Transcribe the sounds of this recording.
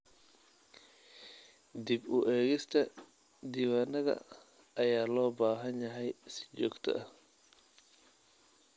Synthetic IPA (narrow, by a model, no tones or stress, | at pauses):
d̪ibʊʔɛːɣɪst̪ʰɐ | d̪iːwaːnɐðɐ̰ | ɐjaːlɔːbaːɦɐnjɐɦɛjsɪ̥t͡ʃɔːɡt̪ʰɐ̰ʔɐh